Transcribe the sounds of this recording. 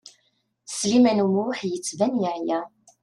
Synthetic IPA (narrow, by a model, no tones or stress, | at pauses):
slimænumħjət͡sːvænjiʕjæ